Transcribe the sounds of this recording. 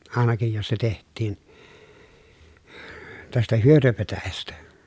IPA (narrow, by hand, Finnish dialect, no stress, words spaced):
ɑˑenɑkij jos se tehtˑiːn tæstæ hyøtøpetæjæstæ